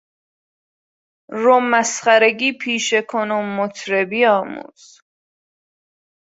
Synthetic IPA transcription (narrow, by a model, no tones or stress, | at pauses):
ɾomːæsχæɾeɡiːpʰiːʃekʰonomːot̪ʰɾebiːɒːmṵːz̥